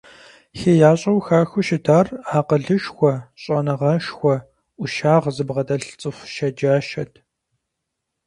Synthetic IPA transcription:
xeːjaːɕʼɐwxaːxʷʊʃɪtʰaːraːqəɮɨʃxʷɔɕʼɐnɨʁɐʃxʷɔ | ʔʷʊʃaːʁzɨbʁɐdɐɬt͡sʼɨxʷʃɐd͡ʒaːʃɐtʰ

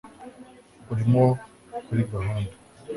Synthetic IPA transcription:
uɾimo | kuɾiɡaɦaːndu

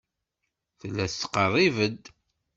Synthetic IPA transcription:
θəlːæθθə̥qərˤːivəd̪

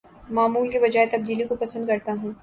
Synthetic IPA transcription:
maːmuːlkibɐd͡ʒaːet̪ɐb̚d̪iːlikopɐsə̃nd̪kɐɾt̪aɦũː

